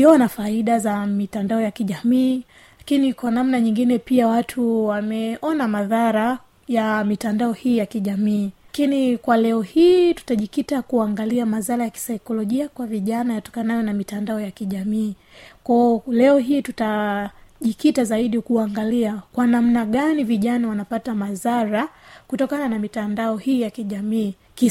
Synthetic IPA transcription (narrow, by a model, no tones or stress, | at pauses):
iɔnafaiɗazamitandaɔjakiʄamiː | lakinikwanamnaɲiŋɡinɛpiawatʰuwamɛʔɔnamaðaɾa | jamitandaɔhiːjakiʄamiːkinikwalɛɔhiːtu̥taʄikitakuaŋɡaliamazaɾajaki̥saikɔlɔʄiakwaviʄanajatɔ̥kanajɔnamitandaɔjakiʄamiː | kɔlɛɔɦiːtuta | ʄikitazaiɗikuaŋɡaliakwanam̩naɠaniviʄanawanapatamazaɾakutɔkananamitandaɔhiːjakiʄamiː | ki